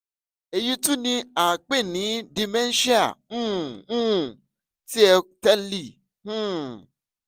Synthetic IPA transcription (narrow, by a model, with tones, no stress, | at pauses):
e˧ji˦tũ˦nĩ˧a˨k͡pe˦˨nĩ˨˦di˧mɛ̃˦n˦ʃi˦a̰˦˨ũ˦˨ũ˦˨ | ti˦ɛ˧tɛ˦li˦˨ | hũ˦